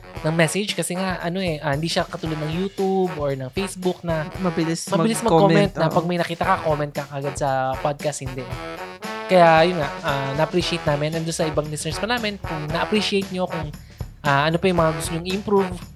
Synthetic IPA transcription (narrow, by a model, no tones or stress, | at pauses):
nɐŋmɛsɛd͡ʒkɐsɛŋaʔʔɐno̞ʔɛʔahɪnd̪iːʃakɐt̪uːlod̪nɐŋjuːt̪ubʔoɹnɐŋfejsbʊk̚nɐmbɪlsmɐbɪlɪsmɐɡkkomɛnt̪nɐpɐɡ̚mɐjnɐkiːt̪ɐkɐko̞mɛnt̪kɐkɐɡad̪̚sɐpad̪̚kast̪hɪnd̪ɛ | kɐjajʊnŋaʔʔaːnɐʔɐpɾiːʃɪejt̪naːmɪnɐnd̪ʊnsɐʔɪbɐŋlɪsnɛɹspɐnaːmɛnkʊŋnɐʔɐpɾiʃɪejt̪̚ɲo̞kʊŋ | ʔaːʔɐnopɐjʊŋmɐŋaɡʊst̪oɲoŋɪɪmpɾuv